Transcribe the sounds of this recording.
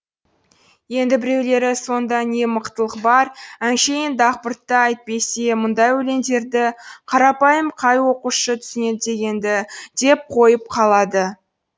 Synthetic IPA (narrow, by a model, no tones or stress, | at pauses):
je̞nd̪ɪbɪɾe̞wle̞ɾɪso̞nd̪ɑne̞məqt̪əlˠəqbɑɾænʃejɪnd̪ɑqpəɾt̪ːəɑjt̪̚pe̞semʊnd̪ɑjwɵle̞nd̪e̞ɾd̪ɪqʰɑɾɑpɑjəmqʰɑjwo̞quʃət̪ʰʏ̥sɪne̞d̪ɪd̪e̞ɡʲe̞nd̪ɪd̪̥e̞p̚qʰo̞jəp̚qʰɑlˠɑd̪ə